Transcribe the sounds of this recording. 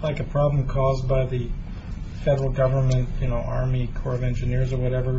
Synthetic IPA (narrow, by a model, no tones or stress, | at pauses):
laɪkɨpʰɹ̥ɑblə̃m̩kʰɔzbaɪðɨ | fɛɾə˞l̩ˠɡʌvə˞mɨ̃ntjɨnoʊʔɑɹmikʰɔɹʌvɛ̃nd͡ʒɨnɪɹzə˞wʌɾɛvə˞